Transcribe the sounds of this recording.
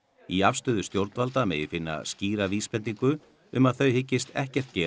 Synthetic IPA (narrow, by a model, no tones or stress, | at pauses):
iafst̪ʏːðʏst̪jowɾt̪nvalt̪amɛ̰ðɪfɪnːa̰sciːɾaviːspɛnt̪iŋkʏ | ʏmaðθœɥhɪcːɪst̪ɛ̰hcɛr̥t̪̚cɛː